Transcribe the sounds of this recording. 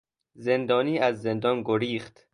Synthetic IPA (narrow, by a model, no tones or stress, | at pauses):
ze̞nd̪ɒːniːæzːe̞nd̪ɒːnɡoɾiːxt̪